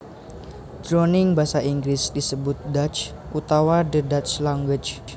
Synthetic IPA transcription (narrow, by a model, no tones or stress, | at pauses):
d̪̥ɾonɪŋbasaʔiŋɡɾɪsdisəbʊt̪̚dat͡ʃ | ʔut̪awadədat͡ʃlaŋwɪd͡ʒ